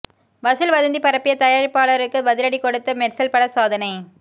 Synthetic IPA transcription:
ʋɐsɯlʋɐðɐnd̪ipɐɾɐpːɪjɐt̪ɐjaːɾɪpːaːɭɐɾɯkːɯbɐðɪɾɐɽikɔɽɯt̪ːɐmɛʈsɐlpɐɽɐsaːðɐnɐɪ

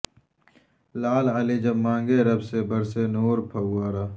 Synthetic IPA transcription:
laːlalid͡ʒɐbmãːŋɡeɾɐbsebɐɾsenoːɾpʰɐɡaːɾaː

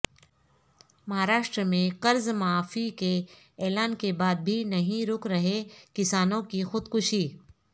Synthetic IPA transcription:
mɐɦaːɾaːʃʈɾəmẽqɐɾzmaaːfike | ɛːlaːnkebaːd̪̚bʱinɐɦĩɾʊkɾɐɦekɪsaːnõkixʊd̪kʊʃiː

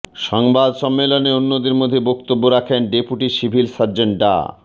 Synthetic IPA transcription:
ʃɔŋbad̪ʃɔmːeloneonːod̪iɾmod̪ʱːebok̚t̪obːoɾakʰenɖepuʈiʃibʱilsaɾd͡ʑeɳʈɖa̰

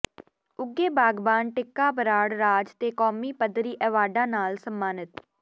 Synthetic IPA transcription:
ʊɡeːbaːɡbaːnʈɪkːaːbəɾaːɽɾaːd͡ʒt̪eːkɔːmiːpəd̪ɾiːʔɛːʋaːɖãːnaːlsəmːaːnət̪

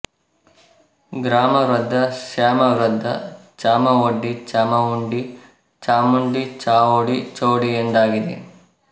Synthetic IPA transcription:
ɡɾaːmɐɾɐd̪ʱːɐʃaːmɐɾɐd̪ʱːɐ̰t͡ʃaːmɐoɖːit͡ʃaːmɐuɳɖi | t͡ʃaːmuɳɖit͡ʃaːʋoːɽit͡ʃoːɽiend̪aːɡid̪ḛ

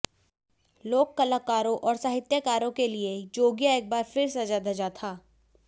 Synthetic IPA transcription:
loːkːɐlakaːɾõʔɔːɾsaːɦɪt̪jəkaːɾõkelied͡ʒoːɡjaeːk̚baːɾfɪɾsɐd͡ʒad̪ʱɐd͡ʒat̪ʰaː

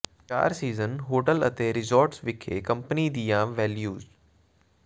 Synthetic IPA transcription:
t͡ʃa̰ːɾsiːzənɦoːʈələt̪eːɾɪzɔːɾʈsʋɪkʰeːkə̃mpənid̪ijãːʋɛːljuːz

